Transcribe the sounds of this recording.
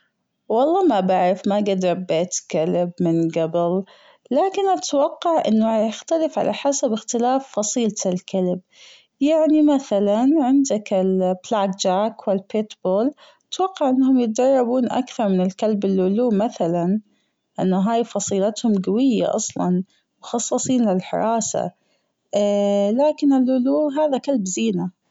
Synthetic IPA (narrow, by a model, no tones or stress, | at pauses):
wɑlˤːɑːmabaʕɾɪfmaɡad̪ɾˤɑbːeːt̪kalbmɪnɡabɪl | laːkɪnʔat̪wɑqːɑʕʔɪ̰nːaajɪxt̪alɪfʕa̰lʔaħasabɪxt̪ɪlaːfːɑsˤiːlt̪ɪlkalb̚ | jaʕnimaθalanʕɪnd̪akɪlblaːɡd͡ʒaːkwɪlpet̪boːl | t̪wɑqːɑʕʔɪnːhʊmjɪt̪̚d̪ɑrˤːɑbuːnʔa̰kθɑɾˤmɪnɪlkalbɪlʕʊluːmaθalan | ʔanːʊɦaːjfɑsˤiːlat̪hʊmɡawɪjːa̰ʔɑ̰sˤlɑ̰n | mʊxɑsˤːɑsˤiːnlɪlħɪ̰ɾˤɑːsa̰ | laːkɪnɪlʕʊluːɦaːðakalbziːna